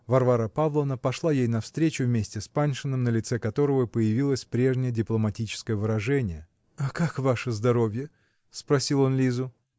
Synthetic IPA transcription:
vɐrvaɾəpavlˠəvnəpɐʂlˠajejnɐfst̪ɾʲet͡ɕʊvmʲesʲtʲɪspanʲʂɨnɨmnəlʲɪt̪sɛkɐt̪o̞ɾəvəpəjɪvʲilˠəsʲpɾʲe̞ʐnʲɪjədʲɪplˠəmɐtʲit͡ɕɪ̥skəjəvɨɾɐʐɛnʲɪjə | akakvaʂɨzd̪ɐɾo̞vʲjə | spɾɐsʲilˠo̞nlʲizʊ

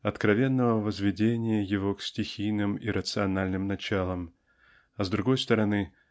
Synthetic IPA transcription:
ɐt̪kɾɐvʲe̞nːəvəvəzvʲɪdʲenʲɪjəjɪvo̞ksʲtʲɪxʲijnɨmiɾət̪sɨɐnalʲnɨmnɐt͡ɕalˠəm | ɐzd̪ɾʊɡo̞jst̪əɾɐnɨ

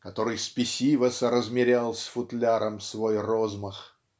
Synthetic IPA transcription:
kɐt̪o̞ɾɨjspʲɪsʲivəsəɾəzmʲɪɾʲalˠsʲfʊt̪lʲaɾʔəmsvojrozməx

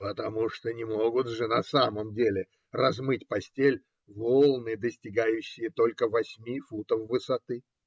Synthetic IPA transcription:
pət̪ɐmuʂt̪onʲɪmo̞ɡʊt̪ʐɨnɐsaməmdʲelʲɪ | rɐzmɨtʲpɐsʲtʲelʲ | volˠnɨd̪əsʲtʲɪɡajʉɕːɪjət̪o̞lʲkəvɐsʲmʲifut̪əfvɨsɐt̪ɨ

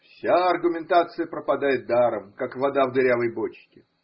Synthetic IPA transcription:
fsʲaɐrɡʊmʲɪnt̪at̪sɨjəpɾəpɐd̪ajɪt̪̚d̪aɾəmkakvɐd̪avd̪ɨɾʲavəjbot͡ɕkʲɪ

